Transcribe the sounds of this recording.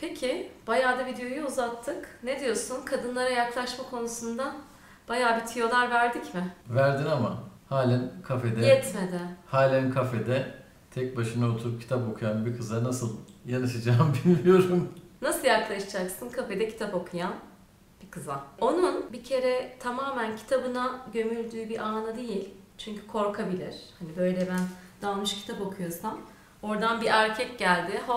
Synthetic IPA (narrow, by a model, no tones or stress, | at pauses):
pʰecʰɪb̥ajaːd̪avid̪ejo̞juːzat̪ʰːɯkne̞d̪ijo̞ɾsunkʰad̪ɯnlˠaɾajaklˠaʃmakʰo̞nusund̪a | b̥ajaːbit̪ʰijo̞lˠaɾvæɾd̪icmɪvæɾd̪inamahaːlʲænkʰafed̪ɛɛt̪med̪ɪhaːlʲænkʰafed̪ɛ | t̪ʰɛc̚baʃɯnaot̪ʰuɾup̚cʰit̪apo̞kʰujanbikʰɯzanasɯlˠjanɯʃad͡ʒaːmbilʲːijo̞ɾumnasɯlˠjaklˠaʃɯd͡ʒaksɯnkʰafe̞d̪ɛcʰi̥t̪ʰapo̞kʰujan | b̥ikʰɯzao̞nunbicʰe̞ɾɛt̪ʰamaːmæncʰi̥t̪ʰabɯnaɟø̞mylʲd̪yːbiʔaːnad̪e̞jilʲ | t͡ʃʰyɲcʰy̥kʰo̞ɾkʰabilʲiɾ̥hanibø̞jlʲɛbænd̪alˠmɯʃcʰi̥t̪ʰapokʰujo̞ɾsam | o̞ɾd̪anbiʔæɾcʰɛcɟælʲd̪ɪɦo